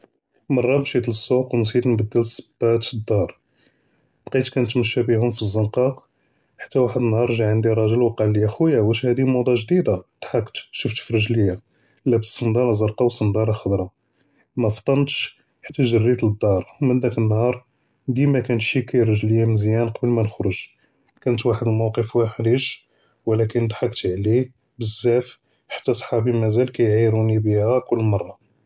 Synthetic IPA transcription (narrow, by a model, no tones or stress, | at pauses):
mɑrˤːɑbʃit̪ləsːuqwns̬ˤit̪nbəd̪ːəlsə̥bːæt̪əd̪ːɑɾˤ | b̥qit̪kænt̪məʃːæbiɦʊmfizːənqɑ | ħḁt̪ːæwaħəd̪ənːhɑɾˤʒaʕənd̪iɾˤɑʒəlwqɑlːijæxujawæʃhæd̪imud̪ˤɑʒd̪id̪at̪ħaqːt̪ʃəft̪firəʒləjːa | ʔəlːæbəssˤːənd̪ɑɾˤɑzɑɾqɑwsənd̪ɑɾˤɑxəd̪ɾˤɑ | mæft̪ˤːɑnt̪ʃ | ħḁt̪ːæʒərːit̪əd̪ːɑɾˤmənd̪ækənːhɑɾˤ | d̪imækænət̪ʃikæjrəʒləjːamnzjænqɑbəlmænxɾʊʒ | kænət̪waħəd̪əlmɑwqəfwaħdiʃ | wəlækənd̪ħɑkt̪ʕli | bəzːæf | ħḁt̪ːæsˤħɑbimæzælkæjʕiɾunibihækʊlːmɑrˤːɑ